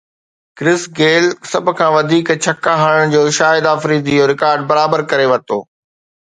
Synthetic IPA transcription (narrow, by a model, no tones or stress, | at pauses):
kɾɪsɡeːlsɐbʱʊkʰãːʋɐd̪ʱiːkt͡ɕʰɐkːaɦaɽ̃əɽ̃d͡ʑoːʃaːɪd̪aːfɾiːd̪id͡ʑoːɾɪkaːɾɖbɐɾaːbəɾkɐɾeʋɐɾt̪o̰ː